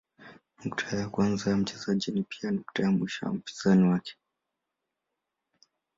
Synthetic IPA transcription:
nuktʰajakwanzajam̩t͡ʃɛzaʄinipianuktajamwiʃa̰a̰m̩pi̥z̥aniwakɛ̥

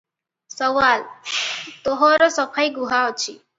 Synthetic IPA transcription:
sɔwal | t̪oɦɔɾɔsɔpʰajɡuɦaɔt͡ʃʰi

